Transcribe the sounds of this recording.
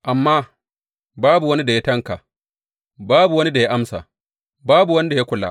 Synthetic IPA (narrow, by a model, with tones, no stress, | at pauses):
ʔa˨mːaː˦ | baː˦bu˨wɐ˦ni˦da˨ja˦tɐ˦ŋka˨ | baː˦bu˨wɐ˦ni˦da˨ja˦ʔa˦msa̰˨ | baː˦bu˨wɐ˦ni˦da˨ja˦kʷʊ˨la̰˦